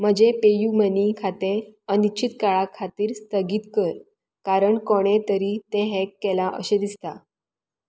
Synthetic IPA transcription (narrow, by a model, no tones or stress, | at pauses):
m̤əd͡ʑepejumənikʰat̪ẽənit͡ɕit̪̚kaɭakʰat̪iːɾst̪əɡiːt̪kəɾ | kaɾəɳkoɽ̃et̪əɾiːt̪ẽɦekːelaʔə̰ɕed̪ist̪a